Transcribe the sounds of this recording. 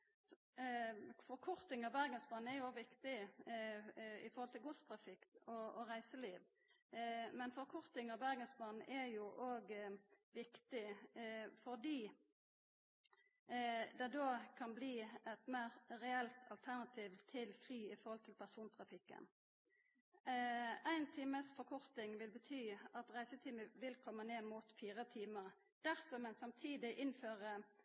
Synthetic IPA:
fɔɾkʰɔɾt̪ɪŋɑʋbæɾɡənsbɑːn̩ɛɾjʊoːɡʋɪkt̪ɪ | ɪ̰fɔɾhɔlt̪ʰɪlɡʊst̪ʰʁɑfɪkɔɔʁæɪsəliːʋ | mɛnfɔʁkʰɔʁt̪ɪŋɑʋbæɾɡənsbɑːn̩ʔɛjʊʔoːɡʋɪkt̪ɪ | fɔʁd̪iː | d̪ɛd̪oːkʰɑnbliːɛt̪mæɪʁʁɛɛlt̪ʰɑ̰lt̪ʰæʁnɑt̪ʰiːʋt̪ʰɪlfʁyːɪfɔʁhɔlt̪ʰɪlpʰæʁsuːnt̪ʰʁɑfɪkːə̰n | æɪnt̪ʰiːməsfɔʁkʰɔʁt̪ɪŋʋɪlbət̪ʰyːɑt̪ʁæɪsət̪ʰiːməʋɪlkʰɔmːəneːmuːt̪fiːʁət̪ʰiːməʁ | d̪̥æʁsɔmɛnsɑmt̪ʰiːd̪ɪʔɪnføːʁə

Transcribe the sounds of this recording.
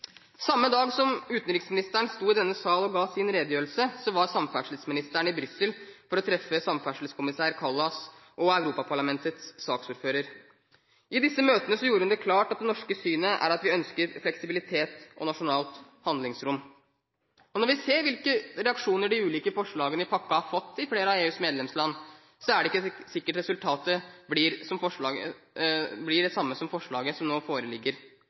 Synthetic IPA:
sɑmːəd̪ɑːɡsɔmʉːt̪nɾɪːksmɪnɪst̪æɳst̪uːɪd̪ɛnːəsɑːlɔɡɑːsɪnɾeːd̪jøːɾlsəsɔʋɑɾsɑmfæʂl̩əsmɪnɪst̪æɳɪbɾʏsəlfɔɾɔt̪ʰɾɛfːəsɑmfæʂl̩skʰʊmɪsæːɾkʰɑlːɑs | ʔɔæʉɾuːpɑpʰɑɭɑmɛnt̪ət̪sːɑːksuːɾføːɾəɾ | ʔɪd̪ɪsːəmøːt̪ənəsɔjuːɾəhʉnd̪ɛkʰlɑːʈɑt̪̚d̪ɛnɔʂkəsyːnəʔæ̰ɾɑt̪ʋɪœnskəɾflɛksɪbɪlɪt̪ʰeːt̪ɔnɑʂʊnɑːlt̪ | hɑnd̪lɪŋsɾʊmː | ɔnɔɾʋɪseːɾʋɪlkəɾɛɑkʂuːnəɖɪʉːliːkəfɔʂɭɑːɡənəɪpʰɑkːɑhɑɾfɔt̪ːɪfleːɾəɑeːʉːsmeːd̪lɛmslɑnː | sɔæɖɛɪkːəsɪkːəʈɾɛsʉlt̪ʰɑːt̪əblɪːɾsɔmfɔʂɭɑːɡə̰ | blɪɖɛsɑmːəsɔmfɔʂɭɑːɡəsɔmnoːfoːɾəlɪɡːəɾ

